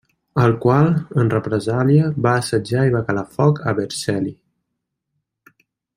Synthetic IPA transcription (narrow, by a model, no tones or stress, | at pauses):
əlˠkwalənrəpɾəzaljəβaːsəd͡ʒaiβakalafɔkəβəɾsɛli